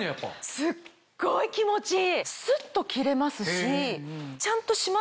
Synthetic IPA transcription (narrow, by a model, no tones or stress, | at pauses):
sɨ | ɡ̥oikʲimo̞t͡ɕisɨt̪ːo̞kʲiɾe̞masɨɕit͡ɕãnt̪o̞ɕima